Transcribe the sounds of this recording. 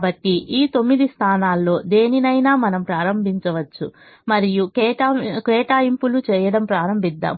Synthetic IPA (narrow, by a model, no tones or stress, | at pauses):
bɐʈːiʔiːt̪o̞mːid̪ist̪ʰaːnaːlːo̞ːd̪e̞ːninɐjnaːmɐnɐmpɾaːɾɐmbʱiɲt͡ʃɐʋɐt͡ʃːu | mɐɾijukɛʈːkɛːʈaːimpulut͡ʃɛːjɐɽɐmpɾaːɾɐmbʱid̪ːa̰ːm